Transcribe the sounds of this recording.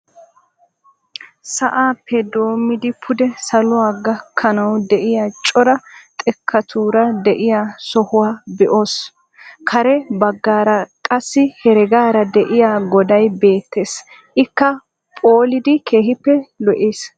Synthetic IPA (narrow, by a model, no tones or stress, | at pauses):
sɐʔaːpʰːɛd̪o̞ːmːɪd̪ɪpʰʊd̪ɛsɐlʊwaːɡɐkʰːɐnɐwd̪ɛʔɪjat͡ʃʼɔɾɐt̪ʼɛkʰːɐt̪ʰuːɾɐd̪ɛʔɪjaːsɔhʊwaːbɛʔo̞ːs | kʰɐɾɛbɐɡːaːɾɐkʼɐsːɪhɛɾɛɡaːɾɐd̪ɛʔɪjaːɡɔd̪ɐjbe̞ːt̪ːe̞ːs | ʔɪkːɐ | pʼoːlɪd̪ɪkʰe̞ːɦɪpːɛlɔʔeːs